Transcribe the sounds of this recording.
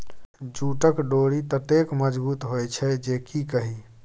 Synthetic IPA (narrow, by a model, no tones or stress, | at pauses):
d͡ʒuʈəkɖoɽit̪ət̪ekməd͡ʒbut̪ɦojt͡ʃʰɛd͡ʒekikəɦi